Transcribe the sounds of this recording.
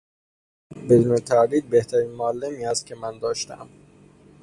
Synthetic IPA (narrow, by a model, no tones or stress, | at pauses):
bed̪unet̪ʰæliːd̪̚beht̪ʰæɾiːnmoælːemiːhæst̪̚cʰe̞mænd̪ɒːʃt̪æ̰m